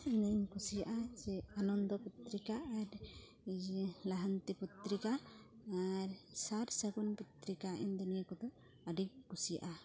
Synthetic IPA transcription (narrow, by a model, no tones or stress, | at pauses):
inəɲkʰusijaʔad͡ʒɛanɔnd̪ɔput̪ɾikaːɾ | laɦant̪iput̪ɾikaː | ɾsaɾsəɡunput̪ɾikaʔind̪unijakɔd̪ɔ | əɖik̚ɡusija̰ʔa